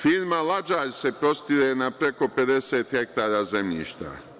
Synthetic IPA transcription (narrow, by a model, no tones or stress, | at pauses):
fiːɾmalad͡ʒaːʎse̞pɾo̞st̪iɾenapɾe̞ko̞pe̞d̪eseːt̪xek̚t̪aːɾaːzemʎḭːʃt̪a̰